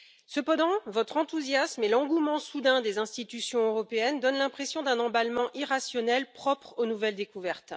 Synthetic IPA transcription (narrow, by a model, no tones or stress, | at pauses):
səpɑ̃d̪ɑ̃vɔt̪χɑ̃t̪uzjasmelɑ̃ɡumɑ̃sud̪ɛ̃d̪ezɛ̃st̪it̪ysjɔ̃øʁɔpeɛnd̪ɔnlɛ̃pχesjɔ̃d̪ɛ̃nɑ̃balmɑ̃ʔiʁasjɔnɛlpχɔpχonuvɛld̪ekuvɛʁt̪